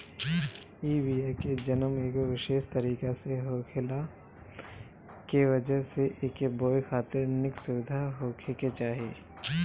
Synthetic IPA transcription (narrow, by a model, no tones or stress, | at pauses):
iːbiːaːked͡ʒɐnəmeːkoʋɪʃeːʃt̪ɐɾiːkaseɦoːkʰɪla | kiʋɐd͡ʒəɦseʔeːkeboːjxaːt̪ɪɾnɪksʊʋɪd̪ʱaɦoːkʰeket͡ʃaːɦijeː